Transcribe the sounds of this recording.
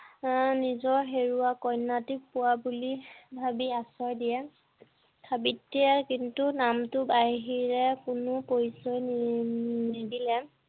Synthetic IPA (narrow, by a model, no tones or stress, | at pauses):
nizɔɹɦeɹuakɔjnːatik̚pʊwabulibʱabiasɔjdijɛ | tʰabitːiɛkintunamtʊbajɦiɹɛkʊnʊpojsɔj | nidilɛ